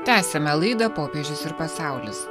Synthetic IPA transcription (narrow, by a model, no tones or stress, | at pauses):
t̪ʲæːsʲɛmʲɛlˠɐɪd̪ɐpoːpʲeʒʲʊsɪɾpɐsɑˑʊlʲɪs